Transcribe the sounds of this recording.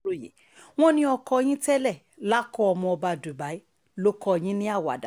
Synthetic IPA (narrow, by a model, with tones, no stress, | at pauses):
jḛ˨ | w̃ɔ̃˦nĩ˦ɔ˧kɔ˧˦j̃ĩ˦tɛ˦lɛ˦˨ | la˦kɔ˦ɔ˧mɔ̃˧ɔ˧ba˧˨du˨ba˨i˦ | lo˦kɔ˧j̃ĩ˦nĩ˦a˦˨wa̰˨da˨